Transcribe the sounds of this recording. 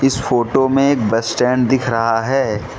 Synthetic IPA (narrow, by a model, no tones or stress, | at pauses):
ɪsfoːʈomẽeːk̚bɐsʈɛ̃ːɳɖd̪ɪkʰɾɐɦaɦɛː